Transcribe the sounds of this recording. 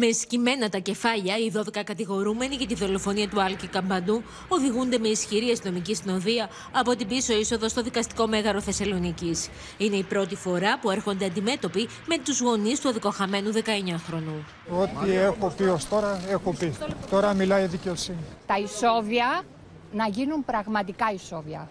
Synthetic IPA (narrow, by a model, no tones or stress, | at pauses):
me̞scime̞nɐt̪ɐce̞fɐʎɐiðo̞ðekɐkɐt̪iɣo̞ɾume̞niʝɐt̪iðo̞lo̞fo̞niɐt̪uɐlcikɐmbɐnd̪u | o̞ðiɣund̪e̞me̞isçiɾiɐst̪ino̞micisino̞ðiɐ | ɐpo̞t̪ibiso̞iso̞ðo̞st̪o̞ðikɐst̪i̥ko̞me̞ɣɐɾo̞θe̞sɐlo̞nicis | ine̞ipɾo̞t̪ifo̞ɾɐpue̞ɾxo̞nd̪e̞ɐnd̪ime̞t̪o̞pi | me̞t̪uzɣo̞nist̪uɐðiko̞xɐme̞nuðe̞kɐe̞ɲɐxɾo̞nu | ot̪iexopiost̪o̞ɾɐexopit̪o̞ɾɐmilɐjðice̞o̞sinit̪ɐiso̞viɐ | nɐʝinumpɾɐɣmɐt̪ikɐiso̞viɐ̰